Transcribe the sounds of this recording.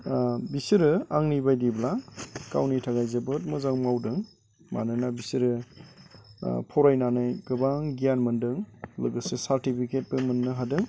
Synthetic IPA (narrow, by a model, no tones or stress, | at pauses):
bisiɾɯaŋnibajdiblaka̰wnitʰaɡajzebɯt̚mɯzawmawdɯŋ | ma̰nɯnabisiɾɯ | pʰɔɾajnanajɡɯbaŋɡijanmɯndɯŋlɯɡɯsesaɾtipʰiket̚pɯmɯnːɯɦadɯŋ